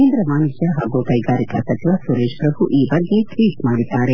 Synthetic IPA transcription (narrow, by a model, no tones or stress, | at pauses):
eːnd̪ɾɐmaːnuʃjɐɦaːɡukɐjɡaːɾikɐsɐt͡ʃ̪ʰiʋɐsuɾeːʃpɾɐbʱuʔiːbɐɡːe̞t̪ɾiːsmaːɽid̪ːaːɾe